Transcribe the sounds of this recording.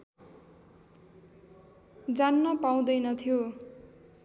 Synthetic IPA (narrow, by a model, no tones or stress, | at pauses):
d͡zanːʌpaw̃d̪ʌjnʌt̪ʰijo